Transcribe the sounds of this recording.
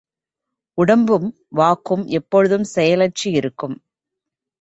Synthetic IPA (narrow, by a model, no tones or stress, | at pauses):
ʊɽɐmbɯm | ʋaːkːɯmʔɛpːɔɻɯðɯmsɛjɐlɐt͡ʃːiɪɾɯkːɯm